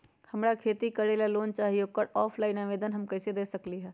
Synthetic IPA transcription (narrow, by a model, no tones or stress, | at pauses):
hɐmɾakʰeːt̪ikəɽelaloːnt͡ʃaːɦiokəɽɔːpʰlaːɪnãʋeːd̪ənɦɐmkɛːsed̪eːsəkliɦɛː